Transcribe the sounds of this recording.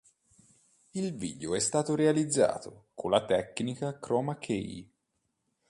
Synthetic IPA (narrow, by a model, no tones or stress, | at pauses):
ilvḭːd̪eoɛst̪aːt̪oɾealid̪zːa̰ːt̪okʰolːat̪ɛkːnikakɾɔːmakʰej